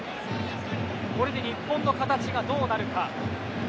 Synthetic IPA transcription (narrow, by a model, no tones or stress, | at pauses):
ko̞ɾe̞d̪e̞ɲʲipːõ̞nːo̞kat̪at͡ɕiɡad̪o̞ːnaɾɯ̟ka